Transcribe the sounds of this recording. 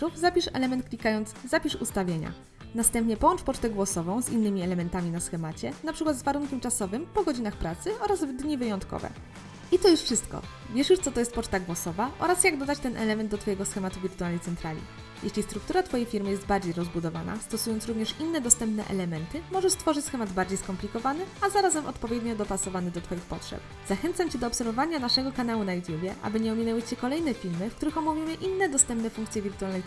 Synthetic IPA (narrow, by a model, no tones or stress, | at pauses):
ufzapʲiʂɛ̰lɛmɛnt̪̚klʲikajɔnzzapʲiʂṵst̪avʲjeɲa̰ | nast̪ɛmpɲɛpɔwɔ̃nt͡ʂpɔt͡ʂt̪ɛɡwɔsɔvɔ̃w̃zinːɘmʲiɛlɛmɛnt̪amʲinasxɛmat͡ɕɛnapʂɘkwat̪zvaɾuŋkʲɛmt͡ʂasɔvɘmpɔɡɔd͡ʑinaxpɾat̪sɘʔɔɾazvd̪ɲivɘjɔnt̪kɔ̰vɛ̰ | it̪ɔjuʂfʂɘst̪kɔ̰ | vʲjɛʂjuʂt̪sɔt̪ɔjɛst̪pɔt͡ʂt̪aɡwɔsɔvaʔɔ̰ɾasjaɡd̪ɔd̪at͡ɕt̪ɛnʔɛ̰lɛmɛnd̪ɔt̪fɔjɛɡɔsxɛmat̪uvʲiɾt̪ualnejt̪sɛnt̪ɾalʲḭ | jeɕlʲist̪ɾuk̚t̪uɾat̪fɔjejfʲiɾmɘjɛst̪baɾd͡ʑejɾɔzbud̪ɔva̰na̰st̪ɔsujɔnt̪sɾuvɲɛʂinːɛd̪ɔst̪ɛmpnɛ̰ʔɛ̰lɛmɛnt̪ɘmɔʐɛʂst̪fɔʐɘt͡ɕsxɛmad̪baɾd͡ʑejskɔmplʲikɔvanɘazaɾazɛmʔɔ̰t̪pɔvʲjɛd̪ɲɔd̪ɔpasɔvanɘd̪ɔt̪fɔjixpɔtʂɛ̰p | z̥axɛnt̪samt͡ɕɛd̪ɔːpsɛɾvɔvaɲanaʂɛɡɔkan̪awunajut̪ʲjubʲjɛʔa̰bɘɲɛɔmʲinɛwɘt͡ɕɛkɔlɛjnɛfʲilmɘfkt̪uɾɘxɔmɔvʲjimɘʔinːɛd̪ɔst̪ɛmp̚nɛfuŋkt̪sʲjɛvʲiɾt̪ualnɛj